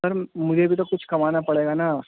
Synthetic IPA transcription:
ɐɾmʊd͡ʒʱebʱit̪okʊt͡ʃʰkɐmaːnapɐɽeːɡanaː

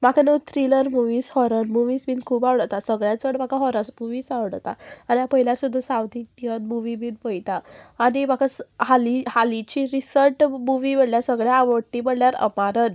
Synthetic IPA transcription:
makʰanət̪ɾiləɾmuʋiːshɔɾənmuʋiːsbiːnkʰuːbaʋɽət̪asəɡɭjat͡səɽmakʰaɦɔɾasmuʋiːsaʋɽət̪a̰aniapəɦiljaɾsud̪ʱːasawt̪iijənmuʋibiːnpəjt̪aːnimakʰashalihalit͡ɕiɾisəɾʈmuʋibəɽljasəɡɭjaːʋəʈːibəɽljaɾə̰maɾən

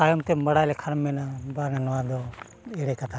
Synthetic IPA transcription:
ajomt̪emɐɽaːjlekʰɐɾmːenabaːŋanʋaːd̪o | eɽekɐt̪ʰa

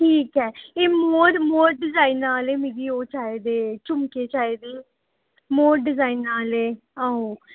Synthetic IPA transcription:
ʈʰiːkɦɛːeːmoːɾmoːɾɖɪzaːiːnːaːleːmɪɾiːoːt͡ʃaːeːd̪eːt͡ʃʊmkeːt͡ʃaːeːd̪eː | moːɾɖɪzaːiːnːaːleː | aːoː

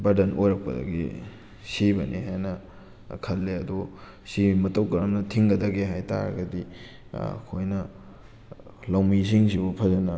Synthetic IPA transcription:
bɐɾdɐnʔojɾɐk̚pɐ̰dɐ̰ɡḭ | sibɐnʔiɦajnɐ | kʰɐlːeɐdo | simɐtɐwkɐɾɐmnɐtʰiŋɡɐdɐɡeɦajta̰ɾɐ̰ɡɐdḭ | kʰojnɐ | lawmis̬iŋsibupʰɐzɐnɐ

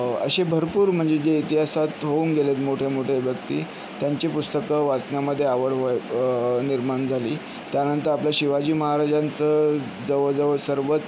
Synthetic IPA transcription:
ə̰ɕebʱəɾpuːɾm̤əɳd͡zed͡ʑeit̪iɦasat̪ɦouŋɡelet̪moʈʰemoʈʰebjəkt̪ḭː | t̪jaɲt͡ɕiːpust̪əkəʋat͡snjaməd̪ʱːjeaʋəɽɦo | niɾmaɳd͡zʱaliː | t̪janənt̪əɾapljaɕiʋad͡ʑiːməɦaɾad͡ʑant͡sə | d͡zəʋəd͡zəʋəsəɾʋət̪

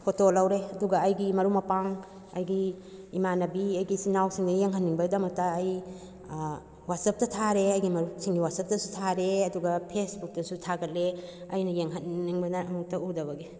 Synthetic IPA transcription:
kʰotolɐwɾeɐduɡɐɐjɡimɐɾumɐpaŋ | ɐ̰jɡiː | manɐbiɐjɡisinawsiŋdɐjeŋɦɐnːiŋbɐdɐmɐk̚tɐːj | wat̚sɐp̚tɐtʰaɾeɐjɡimɐɾusiŋɡiwat̚sɐp̚tɐsutʰaɾeɐduɡɐpʰesbuk̚dɐsutʰaɡɐt̚leɐjnɐjeŋɦɐnːiŋbɐnɐɐmuk̚tɐudɐβɐɡi

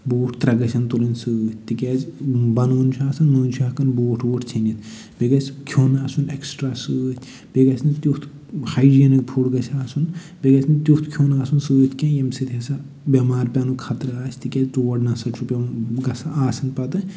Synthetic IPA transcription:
boːʈʰt̪ɾɐɡɐsʰɐnt̪ulɐnsɨːt̪̚ʰʲt̪ikʲɛːzbɐnoːnt͡ʃʰuaːsɐnːoːnʲt͡ʃʰuɐkɐnboːʈʰoːʈʰt͡ʃʰɐnit̪ | beɡɐt͡skʲʰjoːnaːsuneksʈɾaːsɨːt̪ʲʰ | b̥eɡɐsʰnit̪jut̪ʰ | hajd͡ʒiɐnɐkpʰuʈɡɐsʰaːsun | beɡɐsʰnt̪ʲjut̪kʰoːnaːsunsɨːt̪ʰkʲẽjɐmsɨt̪ʰʲɐsa | bʲɐmaːɾpʲɐnukʰɐt̪ɾaːst̪ikʲɛztoːɐɖnɐsɐt͡ʃʰupʲɐmɡɐsaːsɐnpɐt̪ɨ

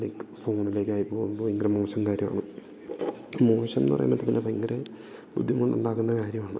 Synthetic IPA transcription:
leːkːfoːɳile̞ːkʲːaːjipːoːɣumboːiŋɡɐɾemoːɕɐmkaːɾjɐma̰ːɳɨ | moːɕɐmnɨpɐrɐ̰j̰mːɐt̪ːɐt̪ːinːepːiŋɡɐɾe | bud̪ʱːimoɳɖṵɳɖaːkunːɐkaːɾjɐmaːɳɨ

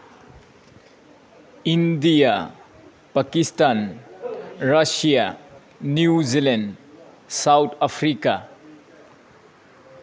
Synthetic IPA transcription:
indija | pakistan | ɾasija | njuzilend | sawtʰapʰɾika

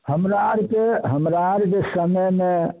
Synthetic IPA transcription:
həmɾaɾkeɦəmɾaɾkesəməjmẽ

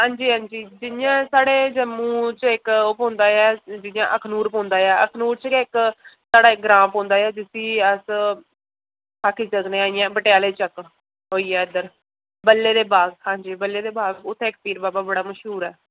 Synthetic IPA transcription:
ɦãːɲd͡ʒiːɦãːɲd͡ʒiːd͡ʒɪnɪjãːsaːɽeːd͡ʒəmːũːt͡ʃɪkopõːnd̪aːjaːd͡ʒɪnɪjã̰ːʔəkʰnuːɾpõːnd̪aːjaːəkʰnuːɾt͡ʃkɪksaːɽaːɪk̚ɡɾãːmpõːnd̪aːjaːd͡ʒɪsiːəs | aːkʰːiːt͡ʃəɡnẽːaːiːãːbəʈejaːleːt͡ʃək | ɦoːiːɛːd̪əɾ | bəlːeːd̪eːbaːɡhãːɲd͡ʒiːbəlːeːd̪eːbaːɡʊt̪ʰːẽːɪk̚piːɾbaːbaːbəɽaːməʃɦuːɾɛː

